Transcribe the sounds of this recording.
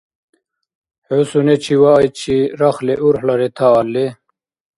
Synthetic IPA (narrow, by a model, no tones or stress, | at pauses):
hosunet͡ɕʰiwajt͡ɕʰiɾaxleʔuɾħlɐɾet̪ʰaːlːe